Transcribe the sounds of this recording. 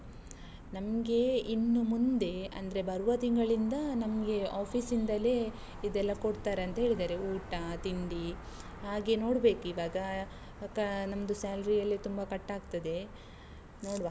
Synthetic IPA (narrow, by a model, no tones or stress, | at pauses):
nɐmɡe̞inːumund̪e̞ɐ̰nd̪ɐɾe̞bɐɾuʋɐt̪iŋɡɐɭind̪ɐnɐmɡe̞aːpʰiːsind̪ɐle | id̪ɛlːɐkoɽt̪aːɾeɐnt̪ɐɦeːɭid̪aːɾe̞uːʈɐt̪ind̪i | ɦaːɡe̞no̞ːɽbe̞ːkuiːʋaːɡɐ | kɐnɐmɐd̪usaːlɾijɐlːit̪umbɐkɐʈːaːɡt̪ɐd̪e̞ | noːɽʋaː